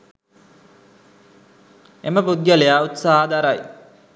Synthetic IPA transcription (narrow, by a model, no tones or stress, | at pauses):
eməpud̪̚ɡalejaːut̪saɦad̪aɾaj